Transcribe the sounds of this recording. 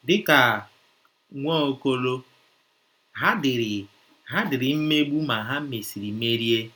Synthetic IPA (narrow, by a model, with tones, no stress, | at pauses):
dɪ˦ka˨ | ŋʷɔ˦o˦ko˦lo˦ | ɦa˦dɪ˨ɾɪ˨ | ɦa˦dɪ˨ɾɪ˨m̩˦me˦ɡ͡bu˦ma˨ɦa˦m̩˦me˨si˨ɾi˨˦me˦ɾi˦e˦